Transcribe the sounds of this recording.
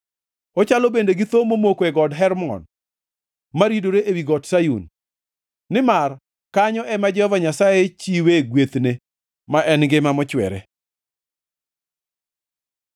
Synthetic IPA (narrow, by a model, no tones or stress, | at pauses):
ɔt͡ʃalɔbendeɡɪt̪omomokoɛɡɔdɦɛɾmɔ̰n | maɾidoɾeʔewiɡɔtsajṵnː | ɪmar | kaɲɔʔɛmad͡ʒɛhɔvaɲasajet͡ʃiweɡwet̪ne | maʔɛnɡɪmamɔt͡ʃwɛ̰ɾɛ